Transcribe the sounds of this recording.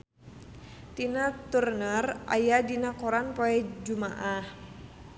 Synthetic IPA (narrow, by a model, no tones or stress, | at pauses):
t̪inat̪urnərʔa̰jadinakɔɾanpɔɛd͡ʒumaʔah